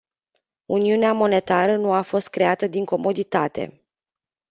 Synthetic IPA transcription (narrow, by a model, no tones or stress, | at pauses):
uniuneamo̞ne̞t̪aɾənuafo̞st̪̚kɾe̞at̪əd̪iŋko̞mo̞d̪it̪at̪e̞̰